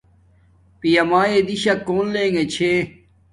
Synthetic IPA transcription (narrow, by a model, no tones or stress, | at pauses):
pijɐmaːjed̪iɕɐkoːnlẽːŋɡet͡ɕʰe